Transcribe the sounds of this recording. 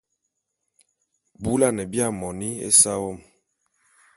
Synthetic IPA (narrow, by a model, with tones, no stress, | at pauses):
bu˦la˦˨nɛ˨bi˦a˦˨mɔ˨ni˦ḛ˦sa˦wɔ˦˨m